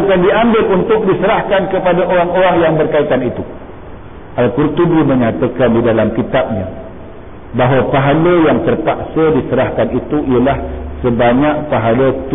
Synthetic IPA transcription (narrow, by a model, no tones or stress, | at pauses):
kandiambɪlunt̪ʊk̚disəɾahkankəpadaʔoɾaŋoɾaŋjaŋbərkait̪anit̪u | ʔalkurt̪ubimə̃ɲat̪akandidalamkit̪ap̚ɲã | baɦwapaɦaləjaŋt̪ərpaksədisəɾahkanit̪uiəlahsəbaɲak̚paɦalət̪